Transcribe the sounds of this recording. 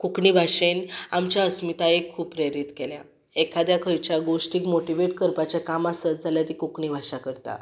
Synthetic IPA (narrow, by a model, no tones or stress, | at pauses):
kukɳibʱaʂenamt͡ɕjaəsmit̪aekʰːuːppːɾeɾit̪kelja̰ | ekʰad̪jakʰəjt͡ɕjaɡoʂʈiːkmoʈiʋeʈkəɾpat͡ɕjakamasət̪̚d͡zʱaljat̪ikukɳibʱaʂakəɾt̪a̰